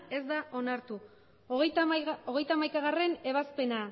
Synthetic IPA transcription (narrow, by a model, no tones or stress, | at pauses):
e̞zd̪aʔo̞naɾt̪u | o̞ɣe̞jt̪amajkaɣ̞are̞ne̞β̞aspe̞na